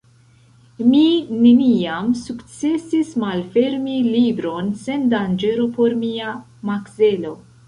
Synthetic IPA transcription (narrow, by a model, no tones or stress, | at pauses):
mine̞niamsukt͡se̞sismalfe̞ɾmilibɾo̞nse̞ndand͡ʒe̞ɾo̞po̞ɾmia | makse̞lo̞